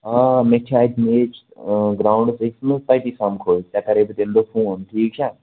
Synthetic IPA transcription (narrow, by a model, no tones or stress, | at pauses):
amẽt͡ʃʰaːd̪meːt͡ʃ | ɡɾaːʊ̃ɳɖseksməspaːiʈ̪isaːmkʰoːt̪jakɐɾebət̪eːld̪ofʰũːnʈʰiːk̚t͡ʃʰaː